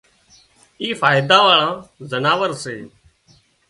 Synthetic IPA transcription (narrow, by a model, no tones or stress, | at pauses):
iːfaːjɪd̪aːʋaːɭãːzənaːʋəɾseː